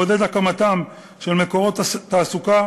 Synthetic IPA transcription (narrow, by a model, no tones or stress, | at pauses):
od̪e̞d̪akamat̪am | ʃe̞lme̞ko̞ʁo̞t̪taːsuka